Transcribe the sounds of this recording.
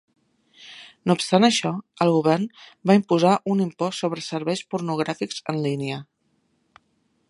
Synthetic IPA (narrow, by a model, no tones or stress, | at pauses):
noupst̪anəʃɔəlˠɣuβɛrnbaimpuzaʔunimpɔstːoβ̞ɾəsəɾβɛjspuɾnuɣ̞ɾafikzənlineə